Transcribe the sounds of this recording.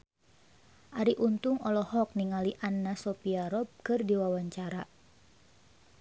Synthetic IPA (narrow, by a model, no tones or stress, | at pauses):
ʔaɾiʔunt̪ʊŋɔlɔhɔk̚niŋaliʔanːasɔpiaɾɔp̚kɨrdiwawaɲt͡ʃaɾa